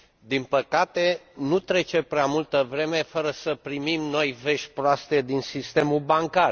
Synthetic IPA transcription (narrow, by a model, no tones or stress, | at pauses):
d̪inpəkat̪enut̪ɾe̞t͡ʃe̞pɾeamult̪əvɾe̞me̞fəɾəsəpɾimimno̞jve̞ʃ̚ʲpɾoast̪e̞d̪insist̪e̞mubaŋkar